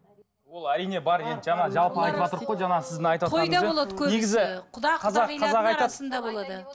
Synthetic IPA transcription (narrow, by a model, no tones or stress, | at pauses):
wo̞lˠæɾijne̞bɑɾe̞nd̪ʒɑnɑʒɑlˠpəɑjt̪əpɑt̪əɾəqːojʒɑnɑsɪzd̪ɪnɑjt̪ɑt̪ʰoɑj̪d̪ɑbolˠɑd̪əkʲʰɵeɡʲɪzɪqʰʊd̪ɑqʰɑzɑɑzɑqɑjɾɑd̪ənd̪ɑbolˠɑd̪ə